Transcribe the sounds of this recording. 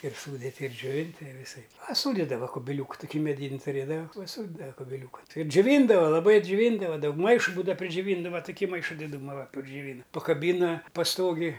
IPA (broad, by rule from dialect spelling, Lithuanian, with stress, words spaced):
ɪr ˈsuːdʲɪtʲɪ ɪr d͡ʒʲoːˈʋʲɪnʲtʲɪ ɪ ʋʲɪˈsɐɪp pɐˈsuːdʲɪdɐʋɐ kʊbʲɪˈlʲuːkʊ tʊˈkʲiː mʲɛˈdʲiːnʲ tʊˈrʲeːdɐʋɐ pɐˈsuːdʲɪdɐʋɐ kʊbʲɪˈlʲuːkɐn ˈtɐɪ ɪr d͡ʒʲʊˈʋʲiːndɐʋɐ lˠɐˈbɐɪ d͡ʒʲʊˈʋʲiːndɐʋɐ ˈdɐʊk ˈmɐɪʃʊ ˈbuːdɐ pʲrʲɪd͡ʒʲʊˈʋʲiːndɐʋɐ tʊˈkʲiː ˈmɐɪʃɐ dʲɪˈduːmɐ ʋɐ pʲrʲɪd͡ʒʲʊˈʋʲiːnɐ pɐkɐˈbʲiːnɐ pɐˈstoːɡʲɪj